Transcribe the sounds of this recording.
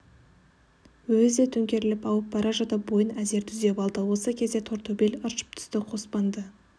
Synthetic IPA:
wɵzd̪et̪ʰɵŋkʲe̞ɾɪlɪpɑwəp̚bɑɾɑʒɑt̪ɑbo̞jənæze̞ɾt̪ʰʏzd̪epɑlˠd̪əwo̞səkʲʰe̞zd̪e̞t̪ʰo̞ɾt̪ːobiləɾʃə̥p̚t̪ʰʏ̥st̪ɪqʰo̞spɑnd̪ə

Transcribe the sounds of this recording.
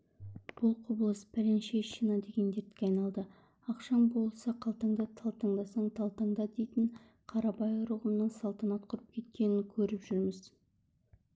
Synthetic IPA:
b̥ʊlˠqʰobəlˠəspʰælenʃeʃinɑd̪e̞ɡʲe̞nd̪eɾt̪kʲeɑjnɑlˠd̪ə | ɑqʃɑnbo̞lˠsɑqʰɑlˠt̪əɴd̪ɑt̪ʰɑlˠt̪əɴd̪ɑsəɴt̪ʰɑlˠt̪ɑɴd̪ɑd̪e̞jt̪ɪɴ | qʰɑɾɑpɑjʊɾuʁənnːəɴsɑlˠt̪ɑnɑt̪qʰʊɾəp̚kʲʰe̞t̪̚kʲe̞nɪŋkʲʰɵɾɪpʒʏɾmɪz

